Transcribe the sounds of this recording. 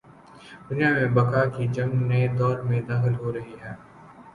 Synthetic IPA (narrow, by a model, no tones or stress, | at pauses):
d̪ʊnijaːmẽbɐkakid͡ʒɐmned̪ɔːɾmẽd̪aːxəlɦoɾɐɦiɦɛː